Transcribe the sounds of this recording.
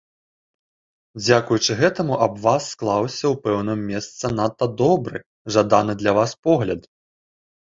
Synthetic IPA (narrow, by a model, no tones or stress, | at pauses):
d͡zʲakujut͡ʂɨɣɛt̪ɐmuʔɐbvasːklˠawsʲɐwpɛwnɨmːʲɛst̪sɐnat̪ːɐd̪ɔbɾɨ | ʐad̪anɨd̪lʲɐvaspɔɣlʲɐd̪